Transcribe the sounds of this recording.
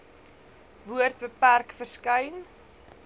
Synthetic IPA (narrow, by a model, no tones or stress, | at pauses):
vuərt̚bəpærkfərskəjn